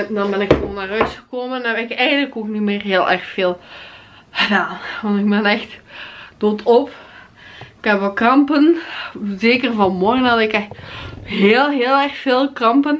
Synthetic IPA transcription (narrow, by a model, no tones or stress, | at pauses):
dɑnbɛnɪkxəʋoːnːaːrœɥtxəkoːmənabɛnɪkɛjɣə̃ndələkoːknimeːrɦeːlˠʔɛrxfeːlˠ | xədaːnʋɑntɪɡ̚bɛnɛxtd̥oːtʰɔp | ɪkɛpʋɛlˠkɑmpənzeːkərvɑnmɔrɣənɑdɪkɛxɦeːlˠɦeːlˠɛrxfeːlˠkɑmpən